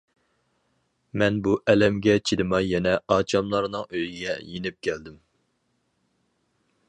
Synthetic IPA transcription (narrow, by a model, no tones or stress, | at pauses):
mɛnbuʔɛlɛmɡʲɛt͡ʃʰid̪ɨmɑjɛnɛɑːt͡ʃʰɑmlˠɑɾnɨŋøjiɡʲɛ̰jenɪp̚kʲʰɛld̪ɪm